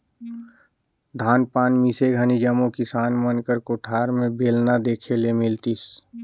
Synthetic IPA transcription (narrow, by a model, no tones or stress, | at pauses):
d̪ʱaːnpaːnmiseɡʱənid͡ʒəmõkɪsaːnmənkəɾkoʈʰaːɾmẽbʱeːlnad̪eːkʰelemɪlt̪is